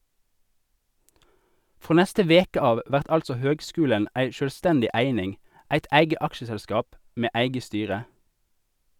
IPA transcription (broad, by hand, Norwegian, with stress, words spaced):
ˈfʁoː ˈnɛstə ˈʋeːkə ˈɑːʋ ˈʋæʁt ˈɑlsɔ ˈhøːɡˌskʉːlən ˈæɪ ˌʃøːlˈstɛndɪ ˈæɪnɪŋ ˈæɪt ˈʔæɪɡə ˈʔɑkʃəsɛlˌskɑːp ˈmeː ˈæɪɡə ˈstyːʁə